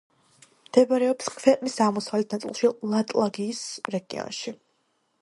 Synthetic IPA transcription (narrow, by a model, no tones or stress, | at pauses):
md̪̥ɛbaɾɛɔpskʰvɛqʼmisamɔsavlɛt̪ʰnat̪sʼḭlˠʃilˠat̪ʼlˠaɡiːsɾɛɡḭɔ̰nʃi